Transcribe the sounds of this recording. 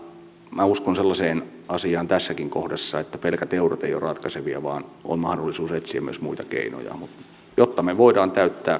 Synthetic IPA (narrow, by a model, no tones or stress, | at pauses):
mæuskonselːɑseːn | ɑsiɑːnt̪æsːækiŋkohdesːɑet̪ːæpelkæt̪euɾot̪eijo̰rɑt̪kɑseʋiɑʋɑːno̰nmɑhdolːˑisuːset̪siæmyøsmuit̪ɑkḛino̰jɑ̰mut̪ | jot̪ːɑmeʋoidɑːnt̪æyt̪ːæː